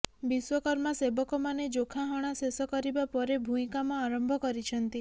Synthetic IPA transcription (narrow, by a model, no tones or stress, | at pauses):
biswɔkɔɾmasebɔkɔmaned͡ʒokʰaɦɔɽ̃asesɔkɔɾibapɔɾebʱuĩkamaaɾɔmbʱɔkɔɾit͡ʃʰɔnt̪i